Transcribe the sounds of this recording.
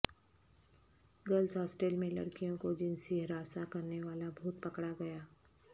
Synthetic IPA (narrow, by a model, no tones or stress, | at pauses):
ɡɐlsɦɔːsʈeːlmẽlɐ̰ɽkijõkod͡ʒɪnsiɦɾaːsakɐɾneʋaːlabʱuːt̪̚pɐkɽaɡɐjaː